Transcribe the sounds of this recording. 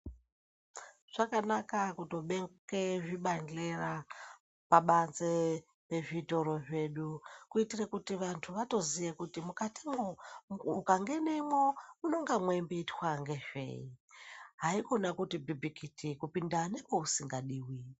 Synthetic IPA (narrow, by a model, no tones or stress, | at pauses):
ʐ̥akanakakuto̞ɓeŋkeʐiɓand͡ɮe̞ra | paɓanze | pe̞ʐito̞ɾoʐe̞ɗukuitirekutiʋantʰuʋato̞zijekutimukatimoukaŋɡe̞nemwomuno̞ŋɡamwembeitwaŋɡe̞ʐe̞̰iɦaiko̞nakutibibʱikitʰikupindanepousiŋɡaɗiːwi